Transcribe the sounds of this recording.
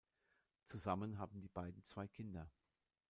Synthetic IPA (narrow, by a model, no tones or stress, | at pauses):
t͡suzamənɦaːbm̩diːbaɪdn̩t͡sv̥aɪkʰɪndɐ